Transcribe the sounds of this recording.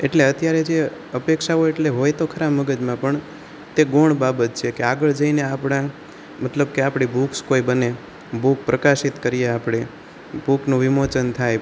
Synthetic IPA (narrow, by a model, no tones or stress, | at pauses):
eʈleət̪jaɾed͡ʒe | əpekʃaoeʈleɦojt̪okʰəɾabmːəɡəd͡ʒmãpəɳ | t̪eɡoɳbabət̪̚t͡ʃʰekeaɡəɭd͡ʒəineapɽã | mət̪ləbkeapɽ̃ibukskoibəne | buk̚pɾəkaʃit̪kəɾijeapɽ̃e | buknũʋɪmot͡ʃənt̪ʰaj